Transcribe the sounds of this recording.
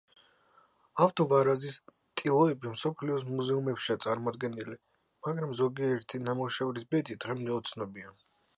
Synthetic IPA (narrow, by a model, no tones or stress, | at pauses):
aft̪ʼɔvaɾazis | t̪ʼilˠɔɛbimsɔpʰliɔsmuzɛumɛpʃiat̪sʼaɾmɔd̪ɡɛnili | maɡɾamzɔɡiɛɾt̪ʰinamɔʃɛvɾisbɛd̪id̪ʁɛmd̪ɛɔt̪sʰnɔbia